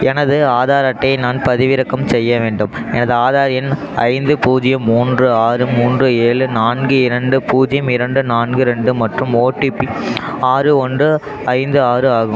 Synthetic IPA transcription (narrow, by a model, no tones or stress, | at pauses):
ɛnɐðɯaːðaːɾɐʈːɐɪnaːnpɐðɪʋɪɾɐkːɐmsɛjːɐʋeːɳɖɯmɛnɐðɯaːðaːɾɪjɐn | ɐ̰ɪnd̪ɯpuːd͡ʒɪjɐmːuːndrɯaːɾɯmuːndrɯeːɭɯnaːnɡɯɪɾɐɳɖɯpuːd͡ʒɪjɐmɪɾɐɳɖɯnaːnɡɯɾɛɳɖɯmɐʈrɯmoːʈːipːi | aːɾɯɔndrɯ | ɐɪnd̪ɯaːɾɯaːɣɯm